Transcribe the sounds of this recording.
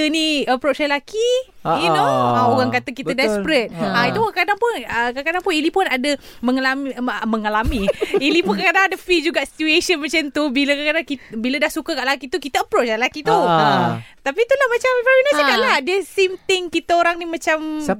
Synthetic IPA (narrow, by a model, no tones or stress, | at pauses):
əniəpɾot͡ʃalaki | junoaoɣaŋkat̪əkit̪ədɛspɾɛt̪̚ait̪ukadaŋpʊnəkakadaŋpʊnilipʊnadəməŋalaməməŋalamiilipunkakadaŋadəfid͡ʒuɡaʔsi̥t̪ueʃənmat͡ʃənt̪ubiləkakadaŋkibilədahsukəkaʔlakit̪ukit̪aəpɾoʔt͡ʃalakiu | t̪apit̪ulahmat͡ʃampainasəɡaʔlahdiəsimt̪ɪŋkit̪əoɾaŋnimãt͡ʃam